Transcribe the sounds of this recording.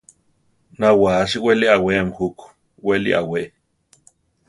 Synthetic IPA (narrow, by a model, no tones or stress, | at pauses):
nawaːʃ̬iweliʔaweʔmxuk | welḭʔa̰weʔ